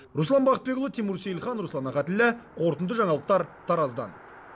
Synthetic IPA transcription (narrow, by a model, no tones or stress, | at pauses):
ɾuslˠɑnbɑχət̪̚be̞klˠət̪ʰemuɾsejlˠχɑnɾuslˠɑnɑχɑt̪ɪlːɪqʰo̞ɾt̪ənd̪əʒɑɴɑlˠəq̚t̪ɑɾt̪ʰɑɾɑzd̪ɑ̰n